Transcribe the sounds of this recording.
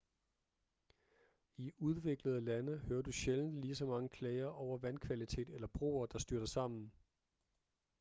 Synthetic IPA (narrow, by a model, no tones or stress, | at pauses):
iuð̞ˠʋe̝ɡ̥ləð̞ˠlænəhøːɐd̥uɕeln̩liːsɒ̽mɑ̈ŋəkʰlɛɪɐʔɒʊɐʋænkʰʋælit͡sʰe̝̰ːd̥elɐb̥ʁo̝̰ːɐd̥ɑ̈sd̥yɐɾ̥ɐsɑ̈m̰n̩